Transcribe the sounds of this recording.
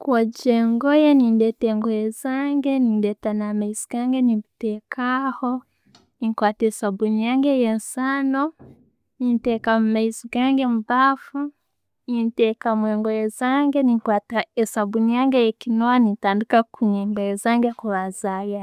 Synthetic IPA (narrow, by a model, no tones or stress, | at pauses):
kwad͡ʒɛŋɡɔjɛnindɛtɛŋɡɔjɛzaŋɡɛnindɛtanamaiziɡaŋɡɛnibutɛkahɔ | nikwatɛsabunijaŋɡɛjɛnsano | nintɛkamaiziɡaŋɡɛmubafu | nintɛkamwɛŋɡɔjɛzaŋɡɛnikwataɛsabunijaŋɡɛjɛkinɔanitandukakuɲɛmbɛjɛzaŋɡɛkuɾazaja